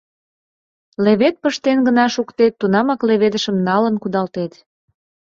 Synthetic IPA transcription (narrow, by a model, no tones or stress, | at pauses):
leβet̪̚pəʃt̪enɡənɑʃukt̪et̪ːunɑmɑkleβed̪əʃəmnɑlənkud̪ɑlt̪et̪